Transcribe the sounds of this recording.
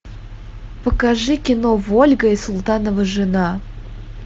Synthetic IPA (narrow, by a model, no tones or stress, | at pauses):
pəkɐʐɨkʲɪnovolʲɡəisʊlˠt̪anəvəʐɨna